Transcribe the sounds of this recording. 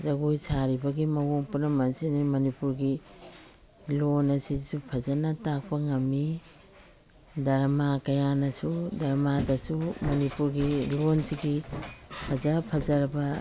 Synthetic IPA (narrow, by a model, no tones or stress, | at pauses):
zɐɡojsaɾibɐɡimɐwoŋpunɐmɐnsinimɐnipuɾɡi | lonɐsisupʰɐzɐnɐtak̚pɐŋɐmːi | dɐɾmakɐjanɐsudɐɾmadɐsumɐnipuɾɡilonsiɡipʰɐzɐpʰɐzɐɾɐbɐ